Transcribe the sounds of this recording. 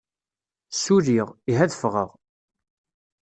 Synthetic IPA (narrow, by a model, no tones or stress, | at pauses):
suɾiʁiɦæðəfʁəʁ